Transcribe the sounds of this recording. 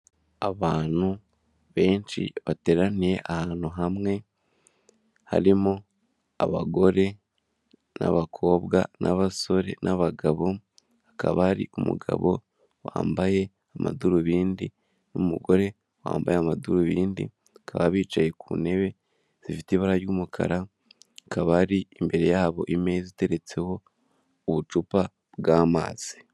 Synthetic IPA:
aβaːn̥u | βe̞ːnʃḭβate̞ɾanije̞ʔahaːn̥huɦamŋe̞ | ha̰ɾimo | aβaɡo̞ɾe̞ | na̰βakʰo̞ːβɡanaβaso̞ɾe̞̰nʔaβaɡaβo̞ | akaβaaɾiʔumṵɡa̰βo̞ | waːmbaje̞ | amaduɾuβiːndi | numuɡo̞ɾe̞ | wa̰ːmbajeamaduɾuβiːndḭ | kʰaβaβiːt͡ʃaje̞kʰune̞βe̞ | z̥ifitiβaɾaɾjuːmukʰa̰ɾa | kaβaɾiːmbe̞ɾe̞jaːβo̞ʔimezite̞ɾe̞t͡se̞ho̞ | uβut͡ʃupa | bɡaːma̰ːz̥i

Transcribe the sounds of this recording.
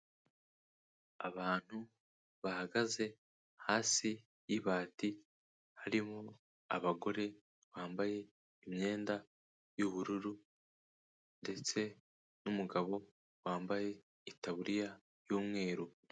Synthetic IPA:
aβaːn̥hu | βahaɡaze̞ | haːsi | jiβaːti | haɾimo | aβaɡo̞ɾe̞ | βaːmbaje̞ | imɲe̞ːnda | juβuɾuɾu | nnde̞t͡se̞ | numuɡaβo̞ | waːmbaje̞ | itaβuɾija | joːmŋe̞ːɾu

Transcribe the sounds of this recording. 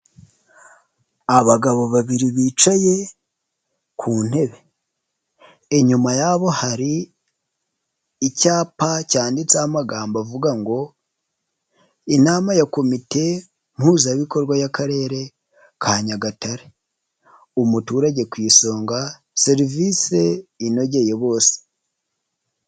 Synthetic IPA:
aβaɡaβo̞βaβiɾiβiːt͡ʃaje̞ | kʰuːn̥he̞βe̞ | ɲumajaβo̞haɾi | caːpacaːndit͡saːmaɡaːmbavuɡaŋɡo̞ | inaːmajako̞mite̞ | m̥huːzaβiko̞ɾɡwajakaɾe̞ːɾe̞ | kʰaːɲaɡataɾe | umutuːɾaɟe̞kwiːso̞ːŋɡa | se̞ɾivise̞ino̞ɟe̞je̞βo̞ːse̥

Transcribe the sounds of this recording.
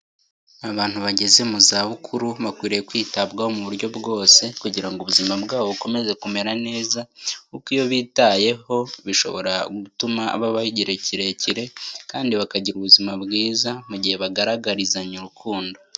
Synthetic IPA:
aβaːn̥huβaɟe̞ze̞muzaβukʰuɾuβakwiːɾejekwiːtabɡahomuβuɾɟo̞bɡo̞ːse̞kuɟiɾaŋɡuβuzimabɡaːβoβuko̞me̞ze̞kume̞ɾane̞ːzakukiːjo̞βiːtaje̞ho̞βiʃo̞̰βo̞̰ɾaɡutuma̰ːβaβahiɟiɾeciɾe̞ciɾe̞kaːndiβakaɟiɾuβuzimabɡiːzamuɟihe̞βaɡaɾaɡaɾizaɲuɾukʰuːndo̞

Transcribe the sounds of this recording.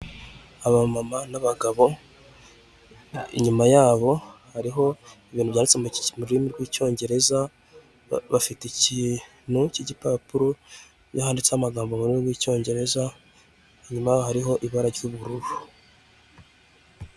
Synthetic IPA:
aβamamanaβaɡaβo̞ | ḭɲumajaːβo̞haɾiɦo̞iβiːnhuβjaːndit͡semumuɾɾimiɾɡwiːco̞ːɲɟe̞ɾe̞za | βafiticiː | n̥huciɟipapuɾo | jahaːndit͡samaɡaːmbomuɾimiɡwiːco̞ːɲɟe̞ɾe̞za | iɲumajaːβohaɾiɦo̞ʔiβaɾaɾjuβuɾuβu

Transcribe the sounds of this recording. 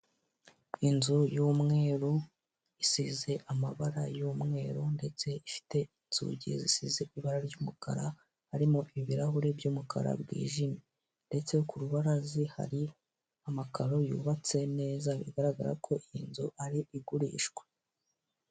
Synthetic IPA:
inzujuːmŋe̞ːɾu | isize̞ʔamaβaɾajuːmŋe̞ːɾunde̞t͡se̞ifi̥te̞ | nz̥ṵɟḭzisize̞ʔiβaɾaɾɟuːmuka̰ɾa | haɾimoʔiβiɾaɦuɾe̞bjuːmuka̰ɾa̰bɡḭːʒimi | nde̞t͡se̞kuɾuβaɾaziha̰ɾi | amakaɾo̞jṵːβat͡se̞ne̞ːzaβḭɡaɾaɡa̰ɾa̰kʰo̞ʔinzuʔaɾiiɡuɾḭːʃɡwe̥

